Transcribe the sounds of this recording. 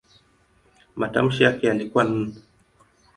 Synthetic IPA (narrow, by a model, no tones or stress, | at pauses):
matam̩ʃijakɛjalikuan̩ː